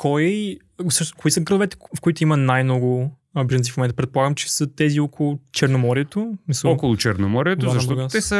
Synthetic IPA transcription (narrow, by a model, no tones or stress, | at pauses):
kʰɔj | fsɤʃnskoisəɡɾəlovɛt̪ɛ̥fkoit̪ʊimɐnajnnɔɡʊ | bɛʒənsifmomɛnt̪əpɾɛt̪̚polˠaɡəmt͡ʃɛ̥sɐt̪ɛziɔkʰolˠʊt͡ʃɛɾnomɔɾiɛt̪osmisəɔkʊlˠʊt͡ʃɛɾnomɔɾiɛt̪ozɐtb̪ɔtɡ̪at̪ɛsə